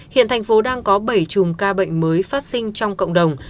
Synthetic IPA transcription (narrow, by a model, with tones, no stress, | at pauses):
hḭ˧˨ənt̪ʰa˨˩jŋ̟fo˨˦ɗaː˧ŋkɔ˨˦ɓə˧˩jt͡ɕʊ˨˩mkaː˧ɓə̰˧˨jŋ̟məː˨˦jfaː˦˥t̚sï˧ŋ̟t͡ɕɔ˧wŋ͡mkə̰˧˨wŋ͡mɗə˨˩wŋ͡m